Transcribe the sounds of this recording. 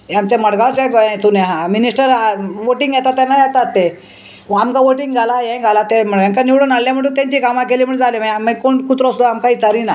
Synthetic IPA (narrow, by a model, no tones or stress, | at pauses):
amt͡ɕaməɽɡawt͡ɕɛɡɛ̃t̪uneɦãminisʈəɾaʋoʈĩŋɡjat̪at̪ːanːajat̪at̪ːe | amkaʋoʈĩŋɡɡʱalajɛ̃ɡʱalat̪em̤əjaŋkaniwɽənaɽljam̤əɳʈunt̪ãɲt͡ɕikamãkeliːm̤əɳd͡zalimaməkoɳkut̪ɾost̪oamkaiːt͡saɾina